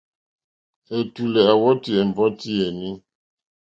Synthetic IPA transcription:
e˨tu˨lɛ˨a˨wɔ˦ti˨ɛ˨m˨bɔ˦ti˦e˨ni˦

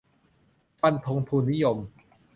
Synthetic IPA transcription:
pa˧nt̪ʰo˧ŋp̪ʰuː˧nːi˦˥jo˧m

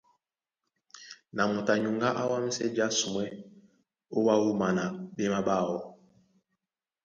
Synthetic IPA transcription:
na˨mu˨ta˨ɲu˨ŋɡa˦ʔa˦wa˦m̩˦sɛ˦d͡ʒi˦a˦su˨mwɛ˦ | o˦wa˦wu˦ma˨na˨ɓe˦ma˦ɓa˦˨wɔ˨

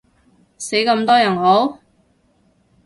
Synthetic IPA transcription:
se˨˥jkɐ˧mt̪ɔː˥jɐ˨˩nɦo˨˥w

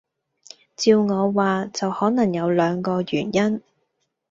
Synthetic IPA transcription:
t͡siː˧wŋɔː˨˧waː˨t͡sɐ˨whɔː˨˥nɐ˨˩ŋjɐ˨˧wlœː˨˧ŋkɔː˧jyː˨˩njɐ˥n

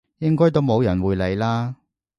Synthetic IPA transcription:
jɪ˥ŋkɔː˥jt̪o˥wmo˨˧wjɐ˨˩nwuː˨˧jle˨˧jlaː˥

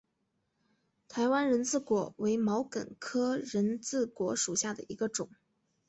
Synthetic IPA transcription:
t̪ʰa˧˥ɪwa˥nɻə˧˥nt͡sɹ̩˥˩kwɔ˧˥we˧˥ɪmɑ˧˥ʊkə̰˨˩nkʰɤ˥ɻə˧˥nt͡sɹ̩˥˩kwɔ˧˥ʂu˨˩ɕja˥˩d̪ə̰˩i˧˥ɡə˧ʈ͡ʂʊ˨˩˦ŋ

